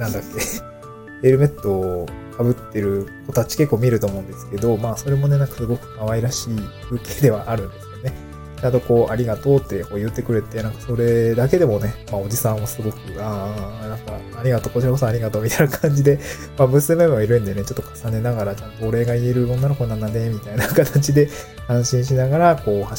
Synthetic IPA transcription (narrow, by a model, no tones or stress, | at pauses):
nãnd̪akːe̞ | eɾɯ̟me̞t̪ːo̞kʰabɯ̟t̪ːe̞ɾɯ̟ko̞t̪at͡ɕi̥ke̞kːo̞ːmʲiɾɯ̟t̪o̞ːmo̞ɯ̟̃nd̪esɨ̥ke̞d̪o̞maːso̞ɾe̞mo̞ne̞nãŋkḁsɨɡo̞kɯ̟̥kaβaiɾaɕiːbɯ̟keːd̪e̞βa̰ʔaɾɯ̟̃nd̪e̞sɨjo̞ne̞ | t͡ɕãnt̪o̞ko̞ːʔaɾʲiɡat̪o̞ːt̪ːeko̞ːjɯ̟t̪ːe̞kɯ̟ɾe̞t̪ːe̞nãŋkaso̞ɾe̞d̪ake̞d̪e̞mo̞ne̞mao̞d͡ʑisãɰ̃βasɨɡo̞kɯ̟anãŋkaːɾʲiɡat̪okot͡ɕiɾako̞soaɾʲiɡat̪o̞ːmʲit̪ainakʰãɲ̟d͡ʑid̪e̞ | mabɯ̟sɨme̞mɯmoiɾɯ̟̃nd̪e̞ne̞t͡ɕo̞t̪ːo̞kʰḁsane̞naɡaɾat͡ɕãnt̪o̞ːɾe̞ɡaie̞ɾɯ̟onːaɾokonãnane̞mʲit̪ainakat̪at͡ɕid̪e̞ | ãɰ̃ɕĩɰ̃ɕ̬inaɡaɾako̞ːha